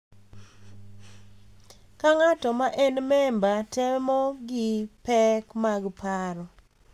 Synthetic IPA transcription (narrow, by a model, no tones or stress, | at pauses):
kaŋatɔmaʔɛnmɛmbatɛmɔɡɪpɛkmaɡpʰaɾɔ